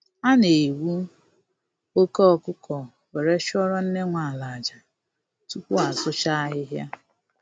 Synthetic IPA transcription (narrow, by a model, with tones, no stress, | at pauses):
a˦ne˨wu˦ | o˦kɔ˦ɔ˨kʊ˦kɔ˨ | we˨ɾe˦ʃɔ˦ɾɔ˦n̩˦ne˦ŋʷa˨a˨la˨d͡ʒa˨ | tu˦kʷu˦a˨sʊ˦t͡ʃa˦a˦ɦɪ˦ɦja̰˦